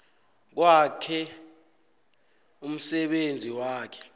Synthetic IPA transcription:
k̬wakʰɛ | um̩sɛɓend͡zʱiwaːkʰɛ̥

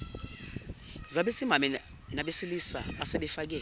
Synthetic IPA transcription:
zaɓesimamɛ | naɓesilisa̰aseɓɛfak̬ɛː

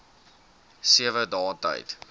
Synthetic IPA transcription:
siəvədɑːtə̰jt

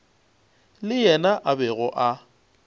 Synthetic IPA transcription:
lɪjɛnaʔabɛɣɔʔa

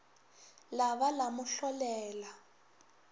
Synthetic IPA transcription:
laβalamʊɬɔlɛːla

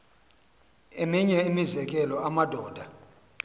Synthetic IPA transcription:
emiɲɛimizɛk̬ʼɛlɔamad̥ʱɔːd̥ʱa

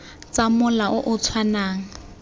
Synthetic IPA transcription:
t͡samʊlaʔʊʔʊt͡sʰwanaːŋ̩

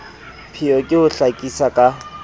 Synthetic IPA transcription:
pʰiɔkʼɪʊɬakʼisakʼa

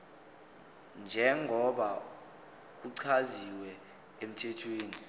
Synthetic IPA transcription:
nd͡ʒʱɛŋʱɔɓa | k̬uǀʰaziwɛ | em̩tʰɛtʰweːni

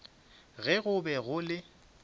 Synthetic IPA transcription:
ɣɛɣʊbɛɣʊlɪ

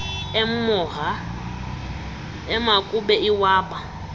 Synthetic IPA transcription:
ɛm̩mɔɦa | ɛmakʼuɓɛiwaːɓa

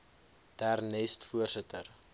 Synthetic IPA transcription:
d̥æːrnɛstfuərsətər

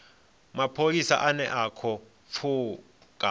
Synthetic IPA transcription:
mapʰolisa̰ʔanɛʔakʰɔ | fʰuː | k̬ʼa

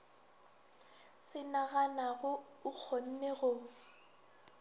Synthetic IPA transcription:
sɪnaɣanaɣʊ | ʊk͡xʰon̩neɣʊ

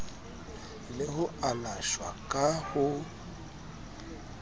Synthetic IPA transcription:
lɪhʊalaʃwa̰kʼahʊ

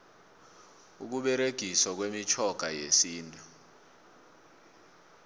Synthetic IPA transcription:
uk̬uɓɛɾeɡ̥ʱisɔk̬wemit͡ʃʰɔɡ̥ʱajesiːntʼu

